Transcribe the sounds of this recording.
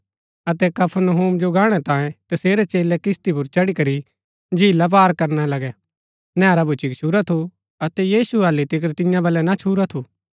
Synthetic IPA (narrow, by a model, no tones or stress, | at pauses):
ɐt̪ɛkɐpʰənɐɦuːmd͡ʒoɡãːɽ̃ɛt̪ãːjẽt̪ɐseːɾɛt͡ʃeːlɛkɪst̪ip̬ʊɾt͡ʃɐɽikɐɾi | d͡ʒʱiːlap̬aːɾkɐɾnalɐɡɛ | nɛ̃ːɾabʱʊt͡ʃikt͡ʃʰuːɾat̪ʰu | ɐt̪ɛjiːsuaːlit̪ɪk̬əɾt̪ɪjãbɐlɛnat͡ʃʰuːɾat̪ʰu